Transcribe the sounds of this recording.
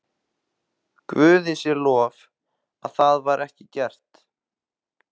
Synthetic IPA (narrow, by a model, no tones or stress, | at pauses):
kvʏːðɪsjɛɾlɔːv | aðθaðvaɾʔɛhcɪcɛr̥t̪